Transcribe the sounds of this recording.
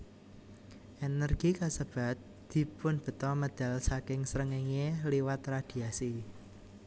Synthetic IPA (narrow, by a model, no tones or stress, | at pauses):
ʔenərɡ̥ikasəb̥a̤t̪̚ | d̪̥i̤pʊnb̥ə̤t̪ɔməd̪̥a̤lsakɪŋsɾəŋeŋeliwat̪ɾad̪̥i̤asi